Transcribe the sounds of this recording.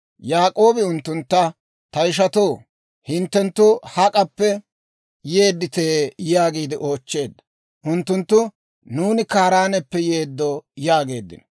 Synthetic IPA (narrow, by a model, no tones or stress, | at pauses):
jaːkʼo̞ːbɪʊnt̪ːʊnt̪ːɐ | t̪ɐjɪʃ̬ɐt̪oː | hɪnt̪ːɛnt̪ːʊhɐkʼɐpːɛ | je̞ːd̪ːɪt̪eːjaːɡiːd̪ɪʔo̞ːt͡ʃːe̞ːd̪ːɐ | ʔʊnt̪ːʊnt̪ːʊ | nuːnɪkaːɾaːnɛpːɛjeːd̪ːojaːɡe̞ːd̪ːɪ̰n